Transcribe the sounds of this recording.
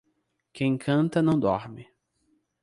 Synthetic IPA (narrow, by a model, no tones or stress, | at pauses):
kʰẽj̃kʰɐ̃nt̪ɐnɐ̃w̃d̪ɔɾmɪ